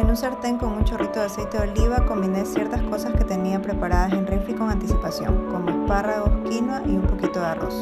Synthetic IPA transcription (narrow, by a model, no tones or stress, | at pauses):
enunseɾt̪e̞ŋko̞nunt͡ʃorit̪oðease̞jt̪eðoliβako̞mbine̞sje̞ɾt̪asko̞saske̞t̪e̞niapɾe̞paɾaðase̞nreɱfiko̞ŋant̪isipasjo̞̰ŋko̞ŋesparaɣo̞skinwaʔiumpo̞kit̪oðearo̰s